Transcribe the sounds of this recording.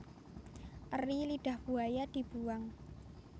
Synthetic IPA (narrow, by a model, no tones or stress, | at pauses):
ʔəriliɖ̥a̤hb̥uajad̪̥i̤b̥uwaŋ